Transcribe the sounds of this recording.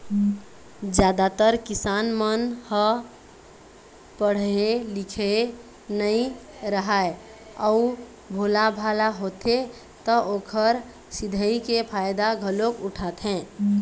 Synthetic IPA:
d͡ʒjad̪at̪əɾkisanmənhə | pəɽ̤elikʰe | nəĩ | ɾəɦae | ɔu | bʱolabʱalaɦot̪e | t̪ɔʔoːkʰəɾ | sid̪ʱəikepʰajd̪aɡʱəlokuʈʰat̪ɦɛ̃

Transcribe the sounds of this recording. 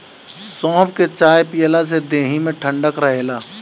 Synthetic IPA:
sɔ̃ːpket͡ʃaːjpijəlas̬ed̪eːɦimẽʈʰə̃ɳɖəkɾəɦeːlaː

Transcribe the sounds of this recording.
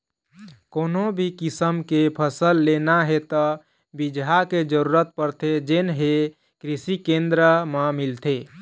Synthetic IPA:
konobʱikisəmkepʰəsəlːenaɦet̪ɔ | bid͡ʒɦaked͡ʒəɾuɾət̪̚pəɾt̪ʰed͡ʒenɦe | kɾisikend̪ɾəməmilt̪ʰe

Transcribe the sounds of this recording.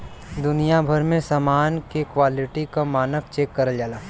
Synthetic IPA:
d̪ʊnijabʱɐɾmẽsamaːnkekʋaːlɪʈikamaːnək̚t͡ʃeːkːɐɾəld͡ʒaːlaː

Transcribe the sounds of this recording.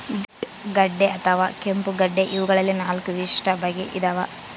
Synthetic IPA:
biʈ | ɡɐɖːeʔɐt̪ʰɐʋa̰ːkempuɡɐɖːeʔiʋuɡɐɭɐlːinaːlkuʋiʂʈɐbɐɡeʔid̪ɐʋa

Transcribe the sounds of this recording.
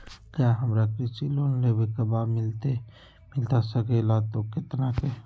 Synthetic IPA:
kjaɦɐmɾakɾisiloːnlebekabaːd̪mɪlt̪e | mɪlt̪asəkelat̪okɪt̪nake

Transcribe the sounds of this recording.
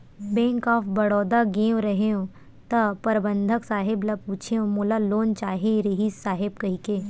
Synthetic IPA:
bɛ̃ːŋkɔːfbɐɽɔːd̪aɡẽːwɾɐɦeõ | t̪ɐpɐɾbə̃nd̪ʱəksaːɦɪblapuːt͡ʃʰeõmoːlaloːnt͡ʃaːɦẽɾɪɦiːssaːɦɪb̚kɐɦikeː

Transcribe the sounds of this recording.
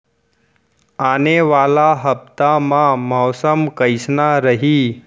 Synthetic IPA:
aneʋalaɦəp̚t̪amãmɔwsəmkəjsnaɾəɦiː

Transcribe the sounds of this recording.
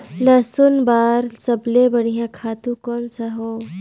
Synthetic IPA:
lɐsʊnbaːɾsɐblebɐɽ̤ijãkʰaːt̪ũkɔːnsaɦoː

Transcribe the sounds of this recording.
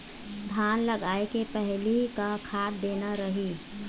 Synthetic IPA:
d̪ʱaːnlɐɡaːekepɛɦlikakʰaːt̚d̪eːnaɾɐɦiː

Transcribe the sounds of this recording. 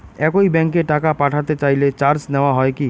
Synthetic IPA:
ɛkoibɛ̃ŋkeʈakapaʈʰat̪et͡ɕajlet͡ɕaɾsnɛoaɦɔeki

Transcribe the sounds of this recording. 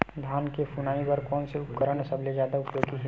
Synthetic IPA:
d̪ʱankepʰunaibəɾkɔːnseupkəɾənsəbled͡ʒjad̪aupjoɡiɦ

